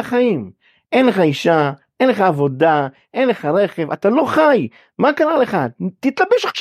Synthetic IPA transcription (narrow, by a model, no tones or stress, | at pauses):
aχajim | ʔenleχaiʃa | ʔenleχaːvo̞da | ʔe̞nle̞χaʁe̞χevat̪alo̞χaj | makaɾale̞χat̪it̪labeʃaχʃ